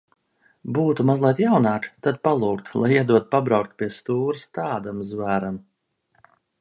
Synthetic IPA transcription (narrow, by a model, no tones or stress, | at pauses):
buːt̪umazlˠajt̪jawnaːkt̪ad̪̚palˠuːkt̪lˠajiɛd̪uɔt̪̚pabɾawkt̪̚pʲiɛst̪uːɾɨst̪aːd̪amzvaːɾam